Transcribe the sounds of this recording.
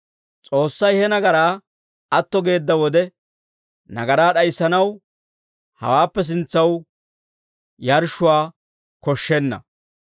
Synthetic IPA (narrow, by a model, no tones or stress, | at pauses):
t͡sʼo̞ːsːɐjhɛnɐɡɐɾaː | ɐt̪ːɔɡe̞ːd̪ːɐwɔd̪ɛ | nɐ̰ɡɐɾaːɗɐjsːɐnɐw | hɐ̰waːpːɛs̬ɪnt͡sːɐw | jɐɾʃʊwaː | kɔʃːɛnːɐ̰